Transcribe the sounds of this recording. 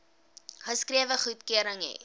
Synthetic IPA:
χəskriəvəχutkiəɾəŋḭ

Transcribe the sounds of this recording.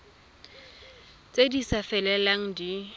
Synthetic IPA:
t͡sʼedisafɛlɛlaŋ̩di

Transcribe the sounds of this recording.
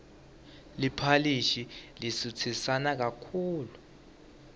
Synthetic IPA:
lipʰaliʃilisut͡sʰisanak̬akʰuːlu

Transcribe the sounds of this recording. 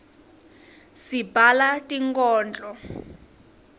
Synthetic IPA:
sibʱalatʼiŋkʼɔːnd͡ɮʼɔ

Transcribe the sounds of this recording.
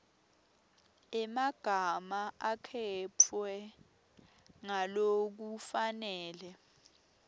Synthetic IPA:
ɛmaɡ̥ʱamaakʰɛt͡fʰwɛ | ŋalok̬ufanɛːlɛ

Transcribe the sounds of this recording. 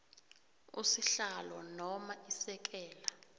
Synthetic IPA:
ṵsiɬalɔnɔmaisɛk̬ʼɛːla

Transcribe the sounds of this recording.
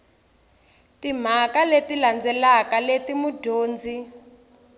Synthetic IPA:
tim̤akaletiland͡zɛlakaletimudʱoːnd͡zi

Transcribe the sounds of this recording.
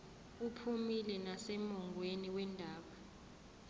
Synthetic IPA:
upʰumilɛnasɛmɔŋweniwɛndʱaːɓa

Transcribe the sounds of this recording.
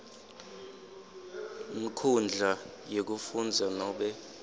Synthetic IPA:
ŋ̩kʰund͡ɮʱa | jek̬ufund͡zʱanɔɓɛ

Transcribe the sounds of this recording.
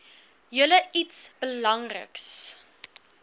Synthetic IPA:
jələitsb̥əlɐŋrə̰ks

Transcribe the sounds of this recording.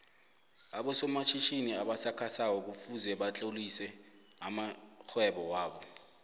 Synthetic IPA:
aɓɔsɔmat͡ʃʰiʃiniaɓasakʰasawɔk̬ufuzɛɓat͡ɬʼolisɛ | amaxʰwɛɓɔwaːɓɔ

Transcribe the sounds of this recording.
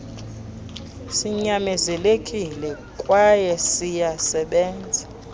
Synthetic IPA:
siɲamɛzɛlekʼilɛkʼwajɛsijasɛɓɛːnd͡zʱa

